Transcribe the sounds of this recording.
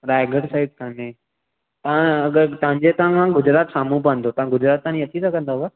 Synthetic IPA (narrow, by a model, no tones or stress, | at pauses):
ɾaːɪɡəɽsaːɪɖ̚kanẽ | t̪ɐãɡəɾt̪ɐʋ̤ə̃ɲd͡ʑet̪ɐʋãkʰãɡʊd͡ʑɾaːt̪saːmũpə̃n̆d̪ot̪ɐʋãɡʊd͡ʑɾaːt̪̚t̪ːaãɲiɐt͡ɕʰit̪ʰakɐ̃nd̪aɦa